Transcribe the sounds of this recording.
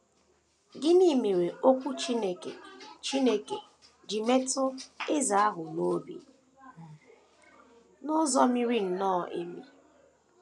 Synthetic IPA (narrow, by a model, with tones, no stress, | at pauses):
ɡɪ˦ni˦me˨we˨o˦kʷu˦t͡ʃi˦ne˨kḛ˨t͡ʃi˦ne˦ke˨ | d͡ʒi˨me˦tʊ˦e˦za˨a˦ɦʊ˨no˦bḭ˦ | nʊ˦zɔ˦mi˦ɾi˦n̩˨nɔː˦˨ʔḛ˦mi˦